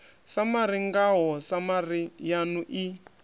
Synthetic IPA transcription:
samaɾiŋɡaɦɔsamarijanuʔi

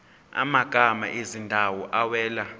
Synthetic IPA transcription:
a̰maɡ̥ʱama̰ʔezindʱawɔʔawɛːla

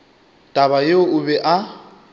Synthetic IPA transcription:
tʼaβajeʊʊbɛʔa

